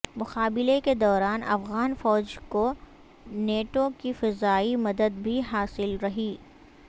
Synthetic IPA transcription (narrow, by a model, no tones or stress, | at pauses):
mʊxaːbɪleked̪ɔːɾaːnʔɐ̰fɣaːnfɔːd͡ʒko | neːʈõkifɪzaːimɐd̪əd̪bʱiɦaːsɪlɾɐɦiː